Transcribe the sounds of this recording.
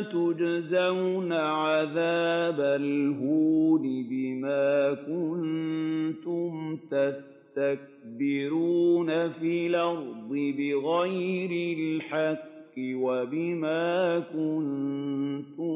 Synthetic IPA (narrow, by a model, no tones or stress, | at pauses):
t̪ʊd͡ʒzawnaʕaðaːbalɦuːd̪ɪbɪmaːkʊn | t̪ʊmt̪as | t̪ak̚bɪɾuːnafiːlɑɣd̪ˤɨbɪɣajɾɪlħɑqː | ɪwabɪmaːkʊn | t̪ʊ